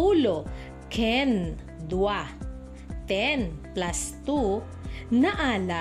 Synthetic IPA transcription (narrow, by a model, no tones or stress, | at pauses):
ulo | kʰɛn | d̪wa | t̪ɛnplast̪u | naʔaːla